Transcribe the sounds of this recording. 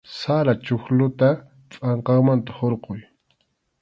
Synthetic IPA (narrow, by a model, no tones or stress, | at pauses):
saɾat͡ʃʊxlʊt̪a | t͡sʼɑɴqɑχmant̪ḁhoɾqoj